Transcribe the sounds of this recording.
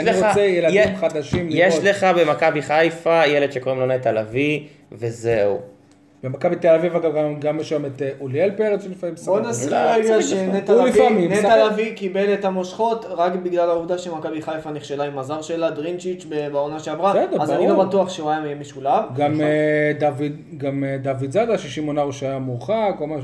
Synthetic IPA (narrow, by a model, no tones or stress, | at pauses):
aniʁot͡sejeladimχad̪aʃimljeʃleχabemakabiχajfajeled̥̪ʃekoʁimlonet̪alavi | vezeu | b̥emakabitelavivaɡaɡaɡamːeʃemet̪eʔulielpeʁet͡sulifamimsonaseɡaʃenet̪alifamimnealavikibelet̪amoʃχo̞tʁakbiɡlalauvd̪aʃemakabiχajfaniχʃelaimazaʁʃelad̪ʁint͡ʃit͡ʃbebaonaʃeavʁasɛd̪azaiɡabat̪uaχʃeuajamijemiʃulavɡamedavid | ɡamed̪avid̪zadaʃiʃimonaʁuʃeajamuχakomaʃu